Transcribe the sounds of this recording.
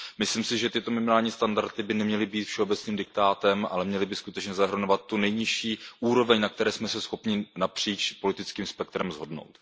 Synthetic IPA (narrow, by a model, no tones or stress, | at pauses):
mɪsliːmsɪʒɛt̪ɪt̪o̞mɪmɪnaːlɲiːst̪andaɾt̪ɪbɪnɛmɲɛlɪbiːt̪fʃɛobɛt͡sniːmdɪk̚t̪aːt̪ɛmʔa̰lɛmɲɛlɪbɪskut̪ɛt͡ʃɲɛzaɦɾ̩novat̪ːunɛjɲɪʃiːʔuːɾo̞vɛɲnak̚t̪ɛɾɛːsmɛsɛsxo̞pɲɪnapr̥iːt͡ʃpo̞lɪt̪ɪt͡skiːmspɛk̚t̪ɾɛmzɦo̞dno̞̰wt̪